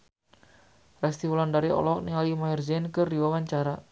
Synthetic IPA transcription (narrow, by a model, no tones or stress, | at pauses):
rɛst̪iwulandaɾiʔɔ̰lɔk̚niŋalimajɔrzɛnkɨrdiwawaɲt͡ʃaɾa